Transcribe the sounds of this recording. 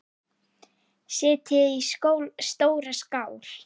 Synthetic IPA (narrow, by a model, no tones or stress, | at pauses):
sɪːt̪ʰɪðiskoːwlst̪oːwɾaskaːwl̥